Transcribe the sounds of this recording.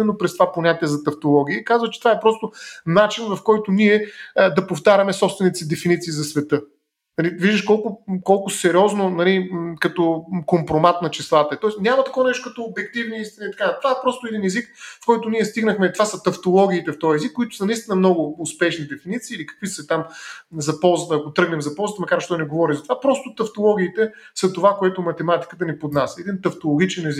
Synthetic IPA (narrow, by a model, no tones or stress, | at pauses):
ɛnːopɾɛst̪ovaponʲat̪iɛzɐt̪ɐft̪olˠɔɡʲiəkazvət͡ʃɛ̥t̪ovaɛpɾɔst̪ʊnat͡ʃinvɐfkɔjt̪ʊniɛd̪ɐpoft̪aɾʲɐmɛsɔpst̪vɛnit̪id̪ɛfinit̪siːzɐsvɛt̪ɤ | nɐliviʒd̪əʃkɔlˠkʊkɔlˠkʊsɛɾʲiɔznonɐlikɐt̪ɔkompɾomat̪nɐt͡ʃislˠat̪əɛt̪ɔɛsnʲamɐt̪ɐkɔvnɛʃt̪okɐt̪oːbɛk̚t̪ivniist̪inəit̪ɐ̥kat̪ovaɛpɾɔst̪ʊɛd̪inɛzikfkɔjt̪ʊniɛst̪iɡnəxmɛt̪ovasɐt̪ɐft̪olˠɔɡʲiːt̪ɛft̪ɔjɛzikːʊit̪ʊ̥sɐnɐist̪inəmnɔɡʊːspɛʃnid̪ɛfinit̪siːlikɐ̥kvisɐt̪amzɐpɔzət̪əɐkot̪ɾɤɡnɛmzɐpɔlˠzət̪əmɐkaɾt͡ʃt̪ɔnɛɡovɔɾizɐt̪ovapɾɔst̪ʊt̪ɐft̪olˠɔɡ̟ʲiːt̪ɛ | sɐt̪ovakoɛt̪ʊmɐt̪ɛmat̪i̥kət̪ənipod̪nasɛd̪int̪ɐft̪olˠoɡ̟ʲit͡ʃɛnɛzik